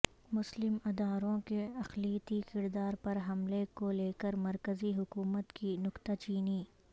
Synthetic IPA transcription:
mʊslɪmɐd̪aːɾõkeɐxliːət̪ikɪɾd̪aːɾpɐɾɦɐmlekoleːkəɾmɐɾkəziɦʊkuːmət̪kinʊqt̪at͡ʃiːniː

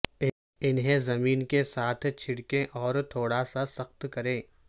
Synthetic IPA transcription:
ɪnɦẽzɐmiːnkesaːt̪ʰt͡ʃʰɪɽkẽʔɔːɾt̪ʰoːɽasasɐxt̪kɐɾẽː

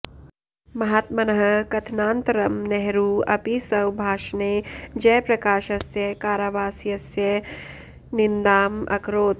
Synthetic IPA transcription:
mɐɦaːt̪mɐnɐɦɐkɐt̪ʰnaːnt̪ɾɐmneɦɾuːɐpisɐwbʱaːʃneːd͡ʒɐjpɾɐkaːʃɐsjɐkaːɾaʋaːsijɐsjɐ | nɪnd̪aːmɐ̰kʰɾoːt̪

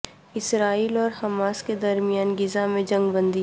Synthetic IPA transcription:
ɪsɾaːiːlɔːɾhɐmaːsked̪ɐɾmijaːnɡɪzãmẽd͡ʒɐ̃ŋɡbə̃nd̪i

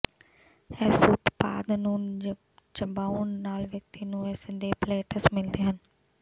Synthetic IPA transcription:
ɛːsʊt̪pa̰ːd̪nũː | t͡ʃəmbaːunːaːlʋjək̚t̪iːnũːɛːsənd̪eːpleːʈəsmɪld̪eːɦən

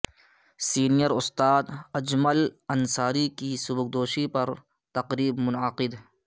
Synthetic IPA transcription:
siːnijəɾʊst̪aːd̪ɐd͡ʒməlɐnsaːɾikisʊbʊk̚d̪oːʃipɐɾ | t̪ɐqɾiːbmʊnəqɪd̪

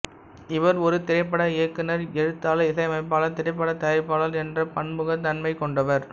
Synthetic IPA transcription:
ɪʋɐɾɔɾɯt̪ɪɾɐɪp̬ːɐɽɐɪɐkːɯnɐɾɛɻɯt̪ːaːlɐɪsɐɪɐmɐɪp̬ːaːɭɐt̪ɪɾɐɪp̬ːɐɽɐt̪ɐjɐɾɪpːaːɭɐlɛndrɐpɐɳmɯɣɐt̪ɐnmɐɪkɔɳɖɐʋɐɾ

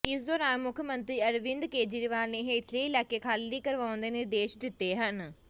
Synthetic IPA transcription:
ɪsd̪oːɾaːnmʊkʰmənt̪ɾiːəɾʋɪ̃nd̪keːd͡ʒiɾʋaːlneːɦeːɪʈʰleiːlɛːkːeːkʰaːlːiːkəɾʋãːnd̪eːneːd̪eːʃd̪ɪt̪ːeːɦən

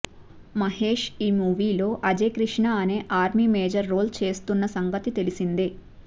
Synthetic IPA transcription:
mɐɦeːʂiːmuːʋiːlo̞ːʔɐd͡ʒe̞ːkɾiʂɳaɐneːʔaːɾmiːmeːd͡ʒɐɾːoːlt͡ʃe̞ːst̪unːɐsɐŋɡɐt̪it̪e̞lisind̪e

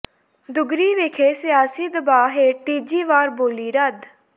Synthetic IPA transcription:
d̪ʊɡɾiːʋeːkʰeːsɪjaːsiːd̪əbaːɦeːʈiːd͡ʒiːʋaːɾboːliːɾəd̪

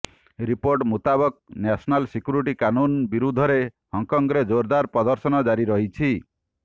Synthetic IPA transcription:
ɾipoɾʈmut̪abɔk̚nasɔnalsikjuɾiʈikanunbiɾud̪ʱɔɾe | hɔŋkɔŋɡɾed͡ʒoɾd̪aɾpɾɔd̪ɔɾsɔnɔd͡ʒaɾiɾɔɦit͡ʃʰi

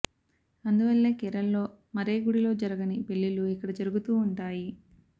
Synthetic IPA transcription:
ɐnd̪uʋɐlːe̞ːkɛɾɐlːo̞ː | mɐɾe̞ːɡuɽilo̞ːd͡ʒɐɾɐɡɐnipeɭːiluikːɐɽɐd͡ʒɐɾuɡut̪uːɳʈaːji

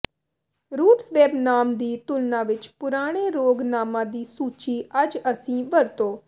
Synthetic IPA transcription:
ɾuːʈsʋɛːbnaːmd̪iːt̪ʊlnãːʋɪt͡ʃpʊɾaːɽ̃eːɾoːɡnaːmãːd̪iːsuːt͡ʃiːəd͡ʒəsĩːʋəɾt̪oː

